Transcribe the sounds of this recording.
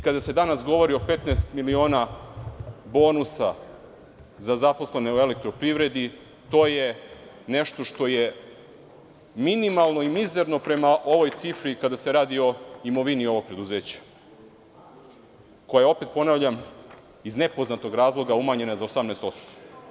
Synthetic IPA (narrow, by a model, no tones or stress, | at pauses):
ikad̪ase̞d̪anasɡo̞ʋo̞ɾio̞pe̞t̪nɛst̪milio̞ːna | bo̞ːnusa | zazapo̞sleneoe̞le̞k̚t̪ɾo̞pɾivɾe̞d̪i | t̪o̞ːje | neʃt̪o̞ʃt̪o̞je | minimalˠno̞imize̞ɾno̞pɾe̞maʔo̞ʋo̞jt̪sifɾikad̪ase̞ɾaːd̪io̞imo̞ʋinio̞ʋo̞ɡ̚pɾe̞d̪uze̞ːt͡ɕḁ | ko̞jaeo̞pet̪̚po̞naːvʎam | izne̞po̞znat̪o̞ɡɾaːzlˠo̞ɡaumaɲe̞nazaosamnɛːst̪o̞t̪st̪o